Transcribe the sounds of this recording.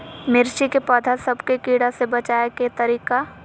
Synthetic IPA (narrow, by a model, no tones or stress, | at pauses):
mɪɾʃikepɔːd̪ʱasɐbkekiːɽasebɐt͡ʃaːeket̪ɐɾiːka